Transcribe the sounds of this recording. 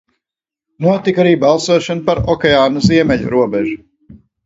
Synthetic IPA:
nuɔt̪ikaɾiːbalˠsuɔʃɔnupaɾɔkʲɛaːnɐziɛmɛʎṵɾuɔbɛʒu

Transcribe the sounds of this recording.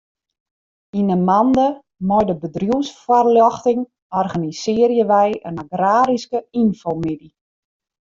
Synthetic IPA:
inəmandə | mɔjdəbədrjuwsfarljɔxtɪŋ | ɔrɣanisɪərjəʋɛjə̰naɡraːɾiskəinfomidi

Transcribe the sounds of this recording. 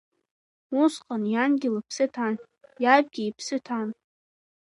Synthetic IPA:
usqʼanjanɡʲɪlapʰsɨtʰan | jab̚ɡʲiipʰsɨtʰan

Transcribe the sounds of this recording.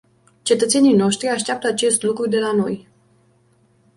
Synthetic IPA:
t͡ʃe̞t̪ət̪se̞nijno̞ʃt̪ɾiaʃt̪eap̚t̪əat͡ʃe̞st̪lukɾud̪e̞lano̞j

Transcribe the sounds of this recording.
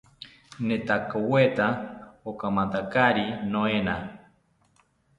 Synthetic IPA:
net̪akowet̪aokamant̪akaɾinoena

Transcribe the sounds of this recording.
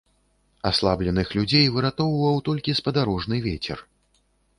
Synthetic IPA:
aslˠablʲɛnɨxlʲud͡zʲejvɨɾat̪ɔwvɐwt̪ɔlʲkʲispɐd̪aɾɔʐnɨvʲet͡sʲɛ̰r

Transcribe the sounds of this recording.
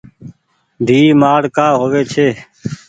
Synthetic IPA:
d̪ʱiːmaːɽkaːɦoːʋeːt͡ʃʰeː

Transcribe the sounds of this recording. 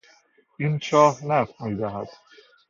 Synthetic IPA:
int͡ʃʰɒːhnæfmiːd̪æɦæd̪̥

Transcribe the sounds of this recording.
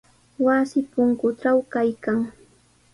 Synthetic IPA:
wasɪpʊŋkʊʈ͡ʂawkajkaŋ

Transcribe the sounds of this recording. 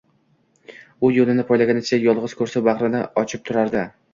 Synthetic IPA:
ʊjolɪnɪpʰɒjlaɡʲanɪt͡ʃʰajɒlˠʁɨz̥kʰɵɾsabɑʁɾɪnɪ̰ɒt͡ʃʰɪp̚t̪ʰʊɾaɾd̪ɪ

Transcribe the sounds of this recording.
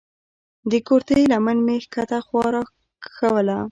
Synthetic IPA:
d̪əkoɾt̪əjlamənmexkat̪axwɑɾɑ | xawəla

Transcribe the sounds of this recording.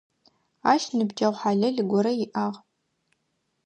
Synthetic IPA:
aːʃnɨbd͡ʒɐwʷħaːɮɐɮɪɡʷɔɾɐjɪʔaːʁ

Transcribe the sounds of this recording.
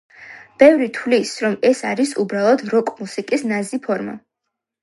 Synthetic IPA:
b̥ɛvɾit̪ʰwlisɾɔmɛsaɾisubɾalˠɔd̪ɾɔkʼmusikʼisnazipʰɔɾma̰

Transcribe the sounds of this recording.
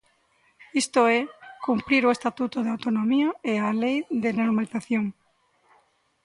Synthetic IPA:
ist̪oɛkumpɾiɾoest̪at̪ut̪oðeawt̪onõmiɐealejðɪnoɾmaliθaθjoŋ

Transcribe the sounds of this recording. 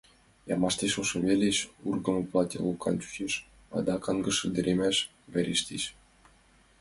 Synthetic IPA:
jɑmɑʃt̪eʃuʃɤ̆βʲelʲeʃurɡɤ̆mɤ̆plˠɑt̪ʲelˠukɑ̰nt͡ɕu̥t͡ɕeʃ | ɑ̰d̪ɑkɑnɡə̆ʃə̆nʲd̪eɾʲʔemæʃ | βʲæɾʲeʃt̪ʲeʃ

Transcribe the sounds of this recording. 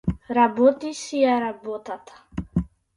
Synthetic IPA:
ɾabɔt̪isiaɾabot̪at̪ʰḁ

